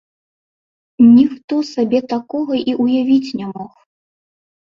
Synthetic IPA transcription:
nʲixt̪ɔsabʲɛt̪akɔɣɐʔiʔujavʲit͡sʲnʲamɔx

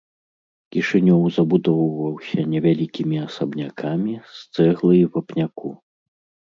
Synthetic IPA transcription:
kʲiʂɨnʲɔwzɐbud̪ɔwvɐwsʲɐnʲɛvʲalʲikʲimʲiasɐbnʲakʰamʲist̪sɛɣlˠɨjwɐpnʲakṵ

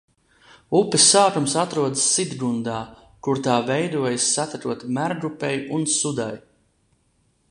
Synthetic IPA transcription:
upʲisaːt̪umsat̪ɾuɔd̪sːid̪ɡund̪aː | kuɾt̪aːvɛjd̪uɔjasːat̪at̪uɔt̪mæɾɡɾupɛjunsud̪a̰j

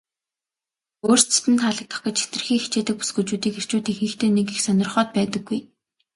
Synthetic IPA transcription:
oːr̥st͡sʰe̥t̪ɘ̆nt̪χaɮə̆k̚t̪ʰɔ̥̆χkə̆t͡ɕʰe̥t̪rɘ̆xiːŋxit͡ɕeːt̪ɘ̆k̚pu̥sɡujt͡ɕuːt̪iːker̥t͡ɕuːt̪iːxiːxt̪eːnekixsœnʲɪ̆rχɔːt̪̚pæːt̪ə̆ɡːuj

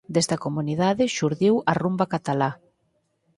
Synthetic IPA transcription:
d̪est̪ɐkomuniðaðɪʃuɾðiwɐrumbɐkat̪ala

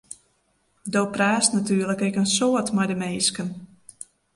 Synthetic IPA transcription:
dopraːsnatyːrləkɛkənsoətmajdəmeːskən

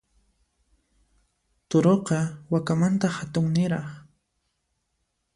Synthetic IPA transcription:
t̪oɾoqɑwakamant̪ahat̪ʊŋnɪɾɑχ

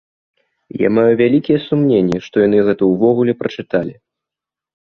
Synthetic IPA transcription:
ja̰majuvʲalʲikʲijɛsumnʲenʲːɛʂt̪ɔjan̪ɨɣɛt̪ɐwvɔɣulʲɛpɾɐt͡ʂɨt̪alʲi

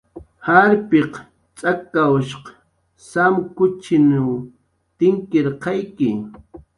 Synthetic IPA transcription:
haɾpɪq | t͡sʼakawʃq | samkʊt͡ʃɪnaw | t̪ɪŋkeɾqɑjkɪ

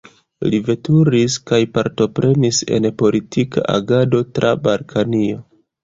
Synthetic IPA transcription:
live̞tuɾiskajpaɾto̞pɾʔe̞nise̞̰npo̞litʰika̰ʔa̰ɡado̞tɾʔa̰balkʰanio̞

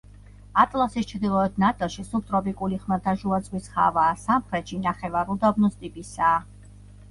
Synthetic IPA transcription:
at̪ʼlˠasist͡ʃʰɾd̪ilˠɔɛt̪̚ʰnat̪ʼɛʃisup̚t̪ʼɾɔpʼikʼuliχmad̪ʰaʒuat̪sʼwisχa̰vaːsamχɾɛt̪ʃinaχɛvaɾud̪abnɔst̪ʼipʼisaː

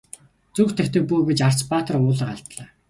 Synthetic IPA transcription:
t͡suːxt̪ʰekʲt̪ɘ̆k̚puːɡet͡ɕar̥t͡spaːt̪ə̆rʊːɮə̆qaɮt̪ɮaː

